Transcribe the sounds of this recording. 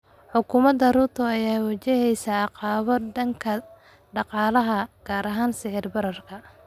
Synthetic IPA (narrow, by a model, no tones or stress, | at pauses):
ħʊkʰʊːmɐd̪ɐruːrt̪ʰʊɐjaːwɑt͡ʃɛɦɛjsɐɑqɑːβɔɖɐŋkʰɐ | ɖɑqɑːlɐɦɐɡ̥aːɾɐɦaːnsɪħɪrbɐɾɐrkʰɐ